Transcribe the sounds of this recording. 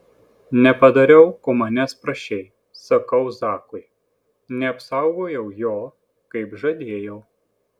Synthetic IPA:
nʲɛpɐd̪ɐɾʲɛʊkoːmɐnʲɛspɾɐʃʲɛɪ | sɐkɐʊsɑːkʊɪ | nʲɛɐpsɑˑʊɡoːjɛʊjoː | kɐɪpʒɐd̪ʲeːjɛʊ

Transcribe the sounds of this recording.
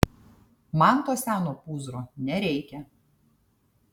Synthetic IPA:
mɐnt̪oːsʲæːnoːpuːzɾoːnʲɛɾʲɛɪkʲɛ

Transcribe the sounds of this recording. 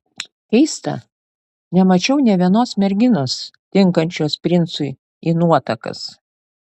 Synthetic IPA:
kʲɛɪst̪ɐ̰ | nʲɛmɐt͡ʃʲɛʊnʲɛʋʲiɛnoːsmʲɛɾʲɡʲɪnoːst̪ʲɪŋkɐnʲt͡ʃʲoːspʲɾʲɪnt̪sʊɪ | inuɔt̪ɐkɐ̰s

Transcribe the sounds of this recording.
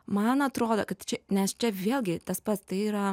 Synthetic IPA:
mɐnɐt̪ɾoːd̪okɐt̪t͡ʃʲɛnʲɛst͡ʃʲɛʋʲeːlʲɡʲɪt̪ɐspɐt̪st̪ɐɪiːɾɐ

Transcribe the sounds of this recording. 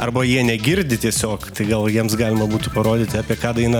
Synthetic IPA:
ɐrbɐjiɛnʲɛɡʲɪɾʲd̪ʲɪt̪ʲiɛsʲoːkt̪ɐɪɡɐlˠjiɛmsɡɑːlʲɪmɐbuːt̪ʲɪpɐɾoːd̪ʲɪːt̪ʲɪɑːpʲiɛkɑːd̪ɐɪnɐ

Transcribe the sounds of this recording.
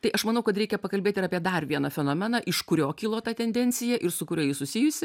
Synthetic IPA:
t̪ɐɪʔɐʃmɐnɐʊkɐt̪ɾʲɛɪkʲɛpɐkɐlʲbʲeːt̪ʲɪɾɐːpʲiɛd̪ɐrʋʲiɛnɐfʲɛnoːmʲɛnɐʔɪʃkʊɾʲoːkʲiːlˠoːt̪ɑt̪ʲɛnʲd̪ʲɛnʲt͡ssʲɪjɛʔɪrsʊkʊɾʲoːjɪsʊsʲɪjʊsʲɪ

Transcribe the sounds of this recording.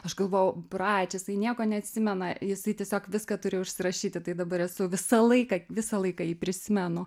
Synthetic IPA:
ɐʃɡɐlˠʋoːjɛʊprɑːt͡ʃʲɛjɪsɐɪnʲiɛkoːnʲɛɐt̪ʲsʲɪmʲɛnɐjɪsɐɪt̪ʲiɛsʲoːkʋʲɪskɑt̪ʊɾʲɪːʊʃʲsʲɪɾɐʃʲiːt̪ʲɪt̪ɐɪd̪ɐbɐɾɛsʊʋʲɪsɐlˠɐɪkɐʋʲɪsɐlˠɐɪkɑjiːpʲɾʲɪsʲɪmʲɛnʊ

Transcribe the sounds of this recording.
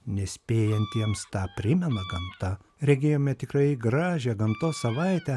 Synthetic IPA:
nʲɛsʲpʲeːjɛnʲt̪ʲiɛmst̪ɑːpʲɾʲɪmʲɛnɐɡɐmt̪ɐ | ɾʲɛɡʲeːjoːmʲɛt̪ʲɪkɾɐɪɡɾɑːʒʲɛːɡɐmt̪oːsɐʋɐɪt̪ʲɛ

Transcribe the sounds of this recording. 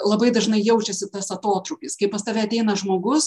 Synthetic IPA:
lˠɐbɐɪd̪ɐʒnɐɪjɛʊt͡ʃʲɛsʲɪt̪ɐsɐt̪oːt̪ɾʊkʲɪskɐɪpɐst̪ɐʋʲɛːɐt̪ʲɛɪnɐʒmoːɡʊs

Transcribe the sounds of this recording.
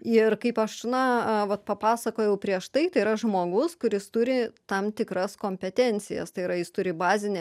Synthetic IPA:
ɪrkɐɪpɐʃnɐʋɐt̪pɐpɑːsɐkoːjɛʊpʲɾʲiɛʃt̪ɐɪt̪ɐɪiɾɐʒmoːɡʊskʊɾʲɪst̪ʊɾʲɪt̪ɐmt̪ʲɪkɾɐskoːmʲpʲɛt̪ʲɛnʲt͡ssʲɪjɛ̰st̪ɐɪiɾɐjɪst̪ʊɾʲɪbɑːzʲɪnʲɛ

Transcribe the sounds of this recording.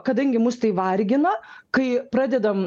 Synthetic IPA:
kɐd̪ɐŋʲɡʲɪmʊst̪ɐɪʋɐrʲɡʲɪnɐkɐɪpɾɑːd̪ʲɛd̪ɐm

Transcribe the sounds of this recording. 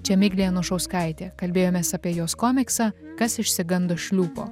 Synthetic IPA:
t͡ʃʲɛmʲɪɡʲlʲijɛnʊʃɐʊskɐɪt̪ʲeːkɐlʲbʲeːjoːmʲeːsɑːpʲiɛjoːskoːmʲɪksɑːkɐsɪʃʲsʲɪɡɐnd̪oːʃʲlʲuːpo̰ː

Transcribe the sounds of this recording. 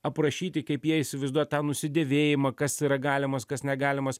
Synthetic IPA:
ɐpɾɐʃʲiːt̪ʲɪkɐɪpjiɛɪsʲɪʋɐɪzd̪uɔt̚t̪ɑːnʊsʲɪd̪ʲɛʋʲeːjɪmɐkɐsiːɾɐɡɑːlʲɪmɐskɐsnʲɛɡɑːlʲɪmɐs

